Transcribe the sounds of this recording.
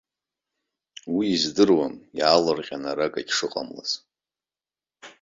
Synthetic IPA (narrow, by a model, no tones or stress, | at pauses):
wiːzdɨrwamjaːlɨrqʲʼanaɾakʼaɡʲʂɨqʼa̰mla̰z